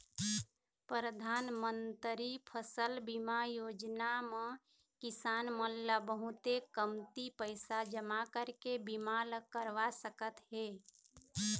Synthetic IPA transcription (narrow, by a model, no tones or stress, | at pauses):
pɾəd̪ʱaːnmənt̪ɾipʰəsəlbimajoːd͡ʒnamẽ | kɪsaːnməlːəbəɦʊt̪ekəmt̪ipəɪsad͡ʒəmakəɾkebimaləkəɾʋasəkət̪ɦe